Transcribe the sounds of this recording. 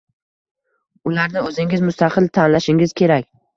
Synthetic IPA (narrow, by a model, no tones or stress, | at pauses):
ʊlaɾnɪɵzɪŋʲɪzmʊst̪aqʰɨlt̪ʰanlaʃɪŋɪz̥kʲʰe̞ɾakʲ